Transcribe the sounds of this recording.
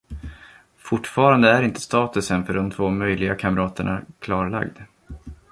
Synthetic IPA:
fʊʈːfɑːɾand̪əæɾɪnt̪ʰə̥st̪ɑːt̪ɵsənfœɖɔmt̪ʰv̥oːmœjlɪɡakʰamɾɑːt̪əɳakʰlɑːɾɭa̰ɡd̪

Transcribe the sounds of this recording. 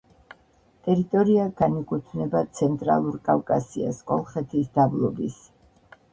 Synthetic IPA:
t̪ʼɛɾit̪ʼɔɾiaɡ̥anikʼut̪ʰnɛbat̪sʰɛnt̪ʼɾa̰lˠuɾkʼafkʼasia̰skʼɔlˠχɛt̪ʰisd̪ablˠɔbis

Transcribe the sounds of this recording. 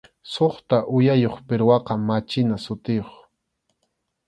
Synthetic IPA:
soχt̪aʔʊjajoχpɪɾwɑqɑmat͡ʃɪnasʊt̪ɪjoχ

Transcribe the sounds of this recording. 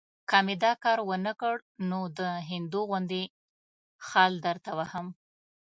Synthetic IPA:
kɑmed̪ɑkɑɾwənəkəɽnod̪əɦɪnd̪uɣʊnd̪e | xɑld̪əɾt̪awahəm

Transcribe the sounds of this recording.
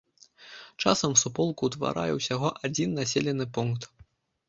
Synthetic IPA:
t͡ʂa̰sɐmsupɔlˠkut̪va̰ɾa̰jɛwsʲaɣɔʔad͡zʲinːasʲelʲɛnɨpunkt̪

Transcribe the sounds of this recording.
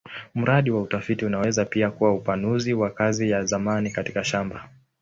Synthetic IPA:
m̩ɾaɗiwautafitiunawɛzapiakuwaupanuziwakazijazamanikatikaʃamba

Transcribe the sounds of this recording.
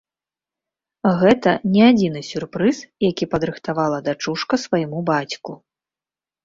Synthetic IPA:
ɣɛt̪ɐnʲɛad͡zʲin̪ɨsʲurpɾɨsjakʲipɐd̪ɾɨxt̪avalˠɐd̪at͡ʂuʂkɐsvɐjimubat͡sʲku

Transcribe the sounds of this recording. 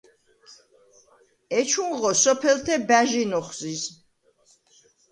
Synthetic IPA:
ɛt͡ʃʰunʁɔsɔpʰɛlt̪ʰɛbæʒinɔχzis

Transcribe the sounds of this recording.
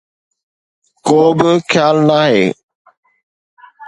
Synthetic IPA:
koːbɪkʰjaːlnaːɦḛː

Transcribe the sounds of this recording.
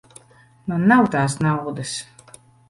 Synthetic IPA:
nɔnawtaːsnawʁd̪əs

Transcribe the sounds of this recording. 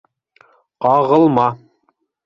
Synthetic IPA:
qɑʁɤ̆lˠmɑ

